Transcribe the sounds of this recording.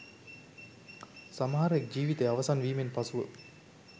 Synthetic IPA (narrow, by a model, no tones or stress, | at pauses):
samɐɦaɾəek̚d͡ʒiːʋit̪əjaʋɐsanʋiːmenpasuʋə